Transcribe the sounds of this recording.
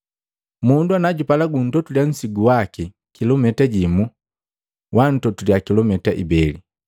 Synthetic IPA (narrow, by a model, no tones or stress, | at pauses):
munduanaɟupalaɡun̩tɔtuljan̩siɡuwaki | kilɔmɛtaɟimu | wʔan̩tɔtuliakilɔmɛtaʔḭbɛli